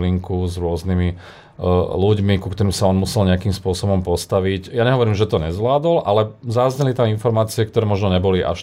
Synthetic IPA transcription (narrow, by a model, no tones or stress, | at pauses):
liŋkuzɾʊɔznimi | luɟmikukt̪ɔɾimsaɔnmusɛlɲɛakimspʊɔsɔbɔmpɔst̪aʋiɟjaɲɛɦɔʋɔɾiːmʒɛt̪ɔɲɛzʋlaːd̪ɔlʔalɛzazɲɛlit̪aminfɔɾmaːt͡siɛk̚t̪ɔɾɛːmɔʒnɔɲɛbɔliʔa̰ʃ